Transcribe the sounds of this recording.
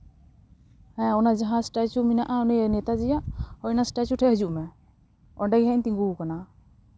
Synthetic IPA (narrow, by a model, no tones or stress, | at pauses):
hɛ̃ɔnad͡ʒaɦãsʈat͡ʃuminaʔaɔnɔjnɛt̪ad͡ʒɛjaʔhɔjnasʈat͡ʃuʈʰɛɦəd͡ʒuʔmɛ | ɔnɖaɡɦɛɲt̪iŋɡukana